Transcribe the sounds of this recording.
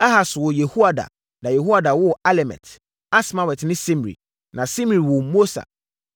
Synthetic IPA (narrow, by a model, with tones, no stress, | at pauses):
ɛ˦ɦa˨swɔ˨je˨hu˦a˨da̰˨ | nã˨je˨hu˦a˨da˨wʊ˦˨a˦lɛ˨mɛ̰˨t | a˦sma˨wɛ˨tnɪ̃˦sĩ˦m˨ɾḭ˨ | nã˨sĩ˦m˨ɾi˨wɔ̃˨mo˦sa̰˨